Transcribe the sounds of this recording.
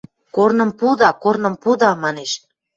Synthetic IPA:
kornə̆mpud̪ɑkornə̆mpud̪ɑmɑneʃ

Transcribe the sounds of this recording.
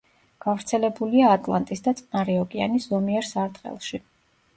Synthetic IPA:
ɡ̥avɾt̪sʰɛlɛbuliaːt̪ʼlˠa̰nt̪ʼisd̪at̪sʼnaɾiɔɡianiszɔmiɛɾsaɾt̪χɛ̰lˠʃi

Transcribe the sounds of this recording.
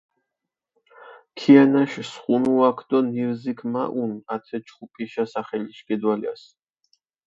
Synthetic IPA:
kʰianaʃsχunuakʰd̪̥ɔniɾzikʰmaʔunat̪ʰɛt͡ʃχupʼiʃasaχɛliʃkʼɛd̪walḭas

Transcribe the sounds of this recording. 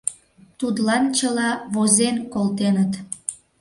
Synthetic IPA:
t̪ud̪lɑnt͡ɕəlɑβozenkolt̪enət̪

